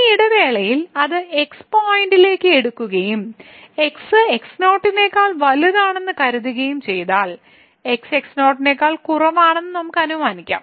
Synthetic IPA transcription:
iɽɐʋe̞ːɭɐjilɐðɨe̞kspoːjinɖile̞ːkːɨeɽukːuɣɐjume̞ksɨeksno̞ːʈːine̞ːkːaːɭʋɐluðaːɳe̞nːɨkɐɾuðuɣɐjumt͡ɕe̞jt̪aːɭ | e̞kse̞ksno̞ːʈːinekːaːɭkurɐʋaːɳe̞nːɨnɐmukːɐnumaːnikʲːa̰ːm

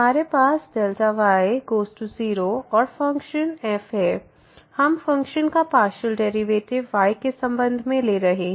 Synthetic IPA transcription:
ɦmaːɾepaːsd̪ɐlt̪aʋaːeɡoːsʈuziːɾoɔːɾfɐ̃ŋkʃənɛːfɦɛː | hɐmfɐ̃ŋkʃənkapaːʃəlɖɛːɾiʋeːʈɪʋːaːɪkesɐ̃mbə̃nd̪ʱmẽleɾɐɦeɦɛ̃

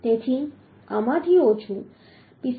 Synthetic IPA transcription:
t̪et̪ʰi | amat̪ʰiot͡ʃʰu | pis

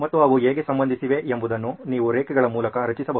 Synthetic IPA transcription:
mɐt̪ːuɐʋueːɡesɐmbɐnd̪ʱisiʋe̞ʔembud̪ɐnːuniːʋuɾeːkɛɡɐɭɐmuːlɐkɐɾɐt͡ʃisɐbɐɦ

